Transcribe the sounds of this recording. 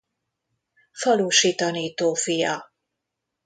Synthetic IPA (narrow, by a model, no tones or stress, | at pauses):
fɒluːʃiːt̪ɒniːt̪oːfijɒ